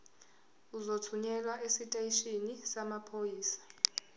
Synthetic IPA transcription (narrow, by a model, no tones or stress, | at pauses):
uzotʰuɲɛlwaʔesitʼaiʃinisamapʰojiːsḁ